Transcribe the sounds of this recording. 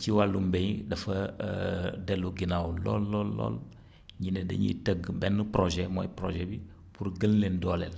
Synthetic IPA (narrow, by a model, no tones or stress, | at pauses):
t͡ʃiwalːumbeɲdɐfə | dɛluɡinawulɔ̰lːɔlːɔ̰l | ɲinedə̰ɲḭtəɡbɛnpɾoʒɛmo̰jipɾo̰ʒɛbi | puɾɡənlendɔlɛl